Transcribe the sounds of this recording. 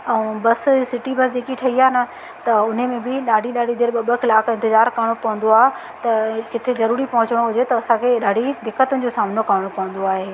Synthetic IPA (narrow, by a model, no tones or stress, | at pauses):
ɛ̃bɐssɪʈibɐsd͡ʑeːkiʈʰɐɦiaːenɐ̆ | t̪ɐʊn̤emẽbɪɗaːɖʱiɗaːɖʱid̪eːɾɓɐɓəxɪlaːkʰɪ̃nt̪ɪzaːɾkaɽ̃opɐɦʊ̃n̆d̪oaːɦe | t̪ɐkɪt̪ʰezɐɾuːɾipɐɦʊ̃t͡ɕəɽ̃ɦʊd͡ʑet̪ɐːsãkʰeɗaːɖʱid̪ɪkːət̪ʊnɪ̆d͡ʑosaːmnokɐːɽ̃opɐɦʊ̃nd̪oaːɦeː